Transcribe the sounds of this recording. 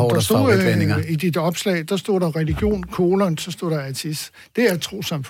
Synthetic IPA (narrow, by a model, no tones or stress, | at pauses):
d̥ɑsd̥o̰ːid̥id̥ɒ̽b̥slɛ̰ːd̥ɑ̈sd̥o̝̰ːd̥ɑ̈ʁɛliɡ̥jo̝̰ːnkʰoːlɐnsɒ̽sd̥o̝̰ːd̥ɑ̈æt͡sʰis | d̥e̝æɐt͡sʰʁo̝̰ːsɑ̈mf